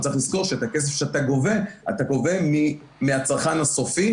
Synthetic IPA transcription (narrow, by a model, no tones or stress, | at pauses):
t͡saiχliz̥ko̞ʁʃeetakes̬efʃeataɡo̞ve̞a̰tako̞ve̞mi | meat͡saʁχanhaso̞fi